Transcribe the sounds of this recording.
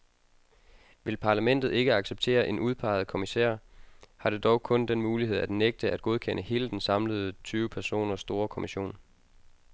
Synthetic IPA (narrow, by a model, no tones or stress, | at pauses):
ʋe̝lpʰɑ̈læmen̰d̥ð̩ˠe̝ɡ̥əɑ̈ɡ̥seb̥̚t͡sʰe̝̰ːɐʔe̝nʔuð̞ˠpʰɑ̈ɪð̞̩ˠkʰo̝misḛːɐ̰hɑ̈ɾ̥e̝d̥ɒʊkʰɔ̽nd̥enmuːlihe̝ð̞̰ˠæd̥neɡ̥̚d̥əæd̥̚ɡ̥o̝ð̞ˠkʰen̰ʔəhe̝ːləd̥ensɑ̈mləð̞̩ˠət͡sʰyːʊəpʰæɐso̝̰ːnɐsːd̥o̝ːɐkʰomiɕo̝̰ːn